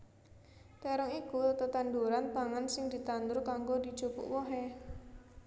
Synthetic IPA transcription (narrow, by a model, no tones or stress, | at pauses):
t̪əɾɔŋikut̪ət̪anɖuɾant̪aŋansɪŋd̪i̤t̪and̪ʊɾkaŋɡod̪i̤̥ʒ̥o̤kṵʔwɔɦe